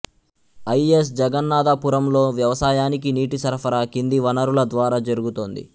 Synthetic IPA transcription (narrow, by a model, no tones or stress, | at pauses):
ɐjes̬d͡ʒɐɡɐnːaːd̪ɐpuːɾɐmlo̞ːʋjɐʋɐsaːjaːnik̬iniːʈisɐɾpʰɐɾaːkind̪iʋɐnɐɾulɐd̪ʋaːɾaːd͡ʒɐɾuɡut̪oːnd̪ḭ